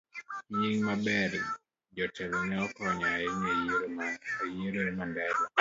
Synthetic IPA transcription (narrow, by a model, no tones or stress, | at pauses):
ɲiŋmabɛɾ | d͡ʒɔtʰɛlɛnɛɔkɔɲaɪnejeɾomajeɾoɾmandɛɡɔ